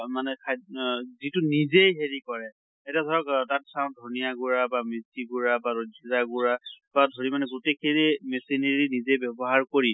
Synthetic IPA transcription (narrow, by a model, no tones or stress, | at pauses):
manɛkʰazitunizejɦeɹikɔɹɛ | etadʱɔɹɔkdat̚kʰaʊ̃ndʱonijaɡuɹabamisiɡuɹabaɹozizaɡuɹab̥adʱoɹimanɛɡutekʰiɹimɛsineɹinizejbɛbɔɦaɹkoɹi